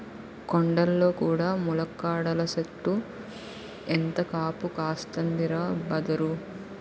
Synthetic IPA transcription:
koɳɖɐlːo̞ːkuːɽaːmulɐkːaːɽɐlɐseʈ̪ːu | ent̪ɐkaːpukaːst̪ɐnd̪iɾaːbɐd̪ɐɾu

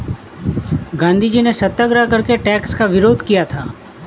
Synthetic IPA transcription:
ɡãːnd̪ʱid͡ʒinesɐt̪ːəɡɾakɐɾkeʈɛːkskaʋɪɾoːd̪ʱkijat̪ʰaː

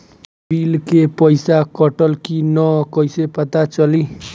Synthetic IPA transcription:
bilkepʌjsakʌʈəlkinʌkʌjsepʌt̪at͡ʃʌli

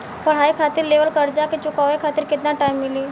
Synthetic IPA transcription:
pɐɽ̤aːikʰaːt̪ɪɾleːʋəlkɐɾd͡ʒaket͡ʃʊkaːʋekʰaːt̪ɪɾkɪt̪naʈaːimːɪliː

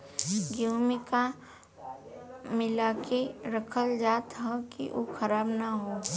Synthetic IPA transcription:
ɡjoːmɪka | mɪlaːkeɾəkʰəld͡ʒaːt̪ɦɐkḭʔokʰəɾaːbnaɦoː

